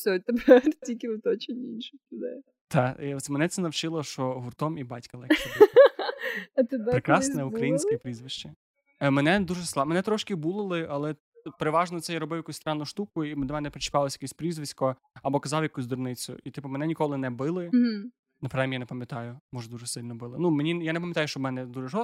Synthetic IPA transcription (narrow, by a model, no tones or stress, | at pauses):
sʲɔt̪ɛpɛtʲilʲkʲɪʋɪt̪ɔt͡ʃɪnʲinʃʊkʲɪd̪ɛ̰ | t̪ɑɔsmenɛt̪sɛnɐwt͡ʃɪlˠɔʃt͡ʃɔɦʊrt̪ɔmibɑtʲkɐlˠɛkɐb | ɐt̪ɪd̪pɾekɾɑsnɛukɾɐjinʲsʲkɔjpɾʲizʋɪʃt͡ʃɪ | mɛnɛd̪uʒɛslˠɑmenɛt̪ɾɔʃkɪbulˠɪlˠɪɐlˠɛ | peɾeʋɑʒnɔt̪sɛjaɾɔbɪwjɐkusʲst̪ɾɑnːʊʃt̪ukʊimd̪ɔmɛnɛpɾet͡ʃɪ̥kɑlˠɔsʲjɐkɛsʲpɾʲizʋɪsʲkɔ | ɐbɔkɐzɑwjɐkusʲd̪ʊrnɪt͡sʲʊ̰ʔit̪ɪpʊmenɛnʲikɔlˠɪnɛbɪlˠɪ | nɐpɾɛmʲjanepɐmʲjɐt̪ɑjʊmɔʒɐd̪uʒɛsɪlʲnɔbɪlˠɪnumenʲijanep̬ɐmʲjɐt̪ɑjʊʃt͡ʃɔbmɛnɛd̪uʒɛʒɔst̪